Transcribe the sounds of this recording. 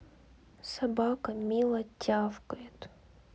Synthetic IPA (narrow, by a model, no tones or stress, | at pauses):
sɐbakəmʲilˠɐtʲːafkəjɪt̪